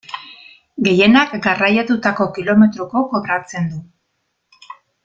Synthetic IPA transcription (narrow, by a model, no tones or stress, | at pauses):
ɡe̞je̞nakɡarajat̪ut̪ako̞kilo̞me̞t̪ɾoko̞ko̞βɾat͡se̞nd̪u